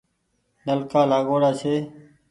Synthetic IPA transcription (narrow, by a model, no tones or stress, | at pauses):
nəlkaːlaːɡoːɽaːt͡ʃʰeː